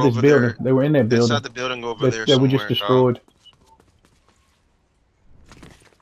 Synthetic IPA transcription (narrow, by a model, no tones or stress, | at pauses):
ðɪs̬bɪlˠdɪ̃ŋðeɪwə˞ɨ̃nðə˞bɪlˠdɪ̃ŋðɨðeɪwə˞d͡ʒʌsd̥ɨstɹ̥ɔɪd̥